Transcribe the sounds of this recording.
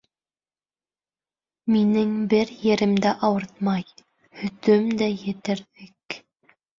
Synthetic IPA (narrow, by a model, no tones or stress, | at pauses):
minɘŋbɘɾjɘ̆ɾɘ̆md̪æʔɑwɤɾt̪̚mɑj | hɵ̆t̪ɵmd̪æjɘ̆t̪ɘ̆ɾðɘk